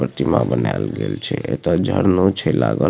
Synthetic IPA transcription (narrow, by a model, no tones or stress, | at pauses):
pɾət̪imãbənjalɡelt͡ʃʰeʔet̪od͡ʒʱəɾnot͡ʃʰelaɡə